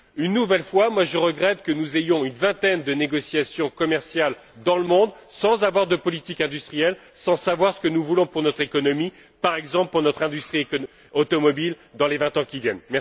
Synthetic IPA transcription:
ynːuvɛlfwamwaʒəʁəɡʁɛt̪kənuzejɔ̃ynvɛ̃t̪ɛnd̪əneɡɔsjasjɔ̃kɔmɛʁsjal | d̪ɑ̃ləmɔ̃d̪sɑ̃zavwaʁd̪əpɔlit̪ikɛ̃d̪yst̪χijɛl | sɑ̃savwaʁsə̥kənuvulɔ̃puʁnɔt̪χekɔnɔmi | paʁɛɡzɑ̃pləpuʁnɔt̪χɛ̃d̪yst̪χik | ot̪ɔmɔbil | d̪ɑ̃levɛ̃t̪ɑ̃kʲivjɛnmɛ

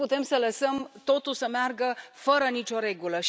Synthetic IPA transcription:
put̪e̞msələsəmt̪o̞t̪ulsəmearɡəfəɾənit͡ʃʲo̞ɾe̞ɡuləʃ

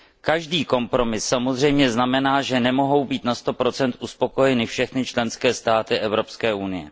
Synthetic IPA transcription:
kaʒdiːko̞mpɾo̞mɪsːamo̞zr̝ɛjmɲɛznamɛnaːʒɛnɛmo̞ɦo̞wbiːt̪nast̪o̞pɾo̞t͡sɛnt̪ʔuspo̞ko̞jɛnɪfʃɛxnɪt͡ʃlɛnskɛːst̪aːt̪ɪʔɛvɾo̞pskɛːʔunɪjɛ̰

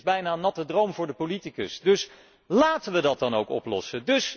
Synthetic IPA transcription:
zbɛjnaːnɑtədrowmvʊːɹdəpolitikə̰sdɵs | laːtənʋədɑt̚dɑnowkɔ̰plɔ̰sədɵs

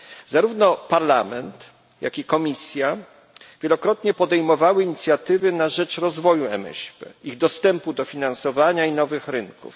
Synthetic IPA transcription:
zaɾuvnɔpaɾlamɛnt̪ | ja̰kʲikɔmʲisʲja | vʲjɛlɔkɾɔt̪ɲɛpɔd̪ɛjmɔvawɘiɲit̪sʲjat̪ɘvɘnaʐɛt͡ʂɾɔzvɔjuɛ̰mɛ̰ɕpɛ̰iɣd̪ɔst̪ɛmpud̪ɔfʲinansɔvaɲainɔvɘxɾɘŋkṵf

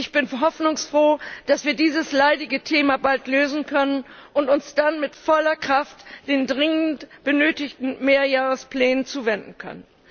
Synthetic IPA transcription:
ʔɪçb̥ɪnɦɔfnʊŋsfʁ̥oːd̥asv̥iːɐdiːzəslaɪdɪɡətʰeːmabaltløːzn̩kʰœnənʔʊntʊnsd̥anmɪtfɔlɐkʁ̥aftd̥eːndʁɪŋəntb̥ənøːtɪçtn̩meːɐjaːʁəspl̥ɛːnənt͡suːvɛndn̩kʰœ̰nən

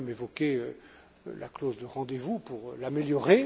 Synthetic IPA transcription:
mevɔkʲeø | lʔaklozd̪əʁɑ̃d̪evupuʁlameljɔʁe

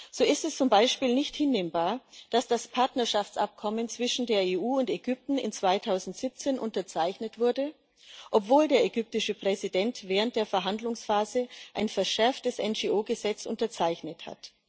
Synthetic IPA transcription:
z̥oːɪstɛst͡sʊmbaɪʃpiːlnɪçthɪnːeːmbaːɐd̥asd̥aspʰaɐtnɐʃaft͡sʔap̚kʰɔmənt͡sv̥ɪʃn̩deːɐeːʔuːʊnteɡʏp̚tn̩ɪ̰nt͡sv̥aɪtʰaʊzn̩tz̥ɪp̚t͡seːnʔʊntɐt͡saɪçnətv̥ʊɐdə | ʔɔpv̥oːldeːɐɛɡʏp̚tɪʃəpʁ̥ɛzidɛntv̥ɛːʁənt̚d̥eːɐfɛɐɦandlʊŋsfaːzəʔaɪnfɛɐʃɛɐftəsʔɛnd͡ʒeːʔoːɡəzɛt͡sʔʊ̰ntɐt͡saɪçnətha̰t

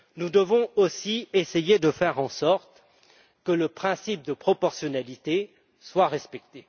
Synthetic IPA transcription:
nud̪əvɔ̃osiesejed̪əfɛʁɑ̃sɔʁt̪ | kələpχɛ̃sip̚d̪əpχɔpɔʁsjɔnalit̪e | swaʁɛspɛk̚t̪e

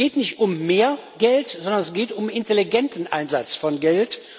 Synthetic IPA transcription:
eːtnɪçtʊmːeːɐɡɛltz̥ɔndɐnɛsɡ̥eːtʊmɪnteliɡɛntn̩ʔaɪnzat͡sfɔnɡɛlt

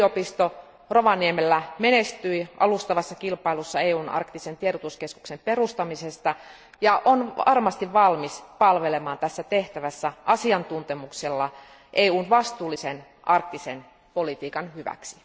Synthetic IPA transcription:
opist̪o | roʋɑniemelːæmenest̪yiʔɑ̰lust̪ɑʋɑsːɑkilpɑilusːɑeːuːnɑ̰rkt̪isent̪ieɾot̪uskesku̥ksemperust̪ɑmisest̪ɑ | jɑʔonɑ̰rmɑst̪iʋʋɑlmispɑlʋelemɑːnt̪æsːæt̪eht̪æʋæsːæʔɑsiɑnt̪unt̪emukselːɑ | ʔeːuːnʋɑst̪uːlːisen | ʔɑrk̚t̪isen | polit̪iːkɑnhyʋæ̰ksi̥

